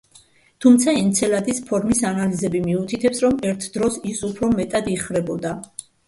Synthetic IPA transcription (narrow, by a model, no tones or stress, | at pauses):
t̪ʰumt̪sʰaɛnt̪sʰɛlad̪ispʰɔɾmisanalizɛbimiut̪ʰit̪ʰɛpsɾɔmɛɾt̪ʰd̪ɾɔsisupʰɾɔmɛt̪ʼad̪iχvɾɛbɔd̪a